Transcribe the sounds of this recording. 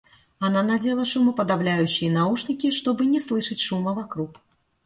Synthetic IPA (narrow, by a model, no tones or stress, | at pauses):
ananad͡zʲelˠɐʂumɨpɐd̪awlʲajʉɕːɪjɐnauʂnʲikʲiʂt̪ɔbɨnʲɛslˠɨʂɐt͡sʲʂumɐvakɾuk